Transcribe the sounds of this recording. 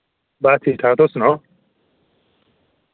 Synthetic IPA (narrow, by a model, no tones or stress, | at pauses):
bat̪ʰit̪ʰat̪osno